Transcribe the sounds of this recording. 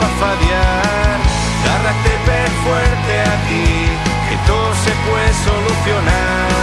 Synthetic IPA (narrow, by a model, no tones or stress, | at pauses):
afaðja | ɾ | ɣarat̪epeɾfweɾt̪eakiket̪osepwesoluθjo̞na